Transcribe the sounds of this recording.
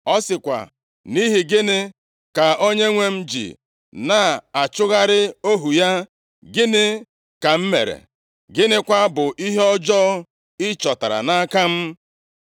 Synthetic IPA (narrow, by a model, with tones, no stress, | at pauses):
ɔ˦sɪ˨kʷa̰˨ | ni˦ɦi˨ɡɪ˦nɪ˦ | ka˨o˦ɲe˦ŋʷe˦m̩˦d͡ʒḭ˨ | na˨a˨t͡ʃʊ˦ɣa˦ɾɪ˦o˦ɦu˨ja˦ | ɡɪ˦nɪ˦ | ka˨m̩˦mḛ˨ɾḛ˨ | ɡɪ˦nɪ˦kʷa˦bʊ˨ʔi˦ɦe˦ɔ˦d͡ʒɔ˦ | ɪ˦t͡ʃɔ˨ta˨ɾa̰˨na˦ka˦m̩˦